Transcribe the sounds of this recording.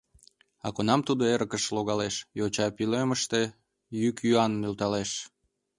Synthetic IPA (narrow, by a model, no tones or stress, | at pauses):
ɑ̰konɑmt̪ud̪oeɾəkəʃloɣɑleʃjot͡ɕɑpiløməʃt̪e | jykjyɑnːølt̪ɑleʃ